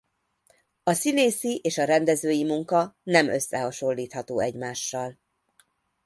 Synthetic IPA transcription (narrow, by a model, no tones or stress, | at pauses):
ɒsineːsiʔeːʃɒɾɛnd̪ɛzøːjimuŋkɒnɛmø̞̰sːɛɦɒʃo̞lːiːt̪hɒt̪oːɛɟmaːʃːɒl